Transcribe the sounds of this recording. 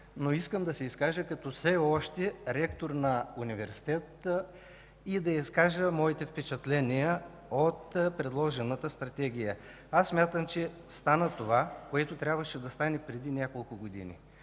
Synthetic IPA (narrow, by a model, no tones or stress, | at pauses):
noiskəmd̪ɐsɛiskaʒəkɐt̪ɔfsɛɔʃt̪ɛɾɛkt̪oɾnɐunivɛɾsi̥t̪ɛt̪ə | id̪ɐiskaʒəmɔit̪ɛfpɛt͡ʃɐt̪lɛnijə | ot̪pɾɛd̪lˠɔʒɛnət̪əst̪ɾɐt̪ɛɡ̟ijə | asːmʲat̪əmt͡ʃɛ | st̪anət̪ovakoɛt̪ot̪ɾʲabvəʃɛd̪ɐst̪anɛpɾɛd̪inʲjakolˠkʊɡod̪ḭnʲḭ